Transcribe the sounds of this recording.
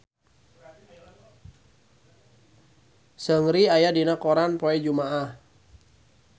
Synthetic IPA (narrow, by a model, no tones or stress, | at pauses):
səŋɾiajadinakɔɾanpoɛd͡ʒumaʔah